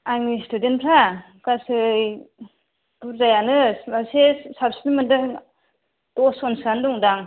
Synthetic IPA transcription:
ajmistudenpʰɾa | kasɯj | uɾzajanɯmasesapsnmɯndɯ | dɔsɔnsandɔŋdaŋ

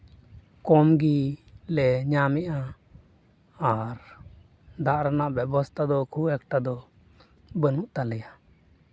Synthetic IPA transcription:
kɔmɡilɛɲamɛʔa | ɾ | d̪aʔɾanaʔbjɛbɔst̪ʰad̪ɔkʰuɛk̚ʈad̪ɔ | bənuʔt̪alɛja

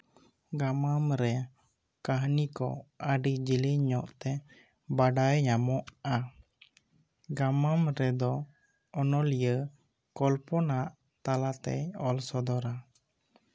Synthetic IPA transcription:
ɡamamɾɛ | kəɦnikɔ̰əɖid͡ʒiliɲɔʔt̪ɛ | baɖajɲamɔʔa | ɡamamɾɛd̪ɔ | ɔnɔlijə | kɔlpɔnaʔ | t̪alat̪ɛ̰ɔlsɔd̪ɔɾa

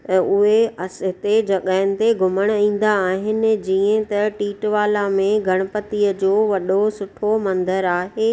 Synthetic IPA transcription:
ʊɦeɐsɦɪt̪ed͡ʑɐɠaːɪnɪ̆t̪eɡʱʊməɽ̃ĩːn̆d̪aːɦɪnɪ̆d͡ʑiːə̃t̪ɐʈiːʈʋaːlamẽɡʱɐɽ̃əpət̪iəd͡ʑoːʋɐɗosʊʈʰomɐ̃nd̪əɾaːɦeː

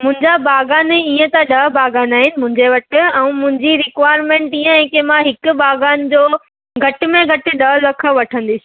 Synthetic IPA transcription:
mʊ̃ɦɪ̃ɲd͡ʑabaːɡaːneiːə̃t̪aɗɐɦbʱaːɡaːnaːɦɪnɪ̆mʊ̃ɦɪ̃ɲd͡ʑeʋɐʈɪ̆ɛ̃ũmʊ̃ɦɪ̃ɲd͡ʑiɾɪkʋaːjɾmẽːɳʈiːə̃ɛ̃ːkemãɦɪkʊ̆baːɡaːnɪd͡ʑoː | ɡʱɐʈɪ̆mẽɡʱɐʈɪ̆ɗɐɦlɐkʰə̆ʋɐʈʰə̃nd̪ɪsi

